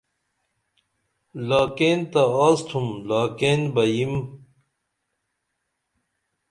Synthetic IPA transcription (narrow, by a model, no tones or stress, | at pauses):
laːkeːnt̪ɐaːst̪ʰumlaːkeːnbɐjim